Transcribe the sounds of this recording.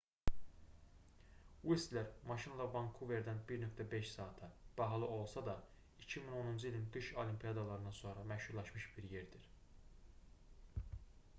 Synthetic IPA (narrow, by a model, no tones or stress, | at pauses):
wist̪leɾmɑʃinlˠɑbɑŋkʰuve̞ɾd̪ænbiɾnøkt̪ʰæbe̞ʃsɑːt̪ʰɯb̥ɑɦɑlˠɯo̞lˠsɑd̪ɑ | icʰimino̞nund͡ʒɯilʲinɡ̪ɯʃolimpʰijɑd̪ɑlˠɑɾɯnd̪ɑnso̞nɾɑmæhhuɾlˠɑʃmɯʃbiɾjeɾd̪iɾ̥